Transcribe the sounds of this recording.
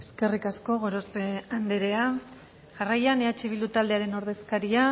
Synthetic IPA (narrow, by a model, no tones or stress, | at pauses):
e̞ske̞rikasko̞ɣo̞ɾospe̞and̪eɾe̞a | ʝarajaneat͡ʃiβilut̪ald̪eaɾe̞no̞ɾð̞e̞skaɾia